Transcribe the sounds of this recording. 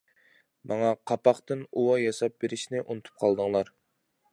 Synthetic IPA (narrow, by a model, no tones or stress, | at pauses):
mɑŋɑqʰɑpɑχqt̪ɨnuwɑjɑsɑp̚beɾɪʃnɪʔunɨt̪ʰu̥p̚qʰɑlˠd̪ɨŋlˠɑɾ